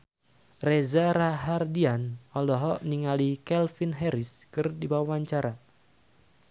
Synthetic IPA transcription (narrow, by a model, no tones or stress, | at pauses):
rezaɾaɦardianɔlɔɦɔʔniŋalikɛlfinɦɛɾɪskɨrdiwawaɲt͡ʃaɾa